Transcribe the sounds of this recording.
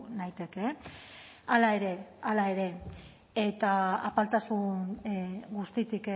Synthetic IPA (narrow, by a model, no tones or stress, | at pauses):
najt̪e̞ke̞ | alae̞ɾe̞alae̞ɾe̞ | et̪aapalt̪asun | ɡust̪it̪ik